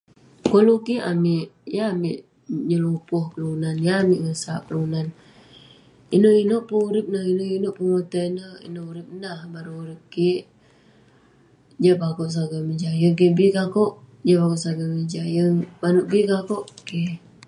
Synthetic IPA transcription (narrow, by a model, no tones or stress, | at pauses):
kolukiʔamɪʔjaːmɪʔ | ɲəlupʊhkəlunanjaːmɪʔŋəsaʔkəluunan | inoʔinoʔpəuɾɪp̚nahinoʔinoʔpəŋot̪ənəḭnoʔuɾɪp̚nahbaɾuuɾɪp̚kiʔ | d͡ʒaʔpakoʔs̬aɡaməd͡ʒajək̬ebikakɔʔ | d͡ʒaʔpakoʔsaɡaməd͡ʒajəŋbanuʔbikakoʔke